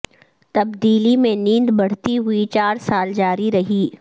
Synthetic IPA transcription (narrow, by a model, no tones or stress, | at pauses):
t̪ɐbd̪iːlimẽnĩːnd̪bɐɽ̤t̪iɦʊit͡ʃaːɾsaːld͡ʒaːɾiɾɐɦiː